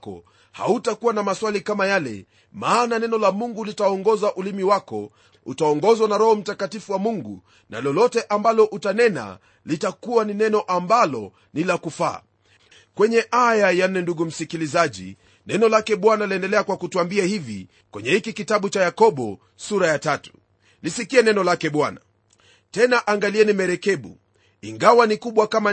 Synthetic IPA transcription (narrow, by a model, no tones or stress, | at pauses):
kɔ̰ | ha̰utakuwanamaswalikamajalɛ̰ | maːnanɛnɔlamuŋɡulitaɔŋɡɔzaʔulimiwakɔ̰ | ṵtaɔŋɡɔzwanaɾɔhɔm̩takatifuwamuŋɡṵ | nʔa̰lɔlɔtɛʔambalɔʔutanɛna̰ | litakuwaninɛnɔʔambalɔ | nilakufaː | kwɛɲɛʔajajan̩ːɛnduɡum̩sikilizaʄḭ | nɛnɔlakɛɓwanaliɛndɛlɛakwakutuambiahivḭ | kwɛɲɛhikikitaɓut͡ʃajakɔɓɔ | suɾajatatu̥ | lisikiɛnɛnɔlakɛɓwana | tɛnaʔaŋɡaliɛnimɛɾɛkɛɓṵ | iŋɡawanikuɓwakama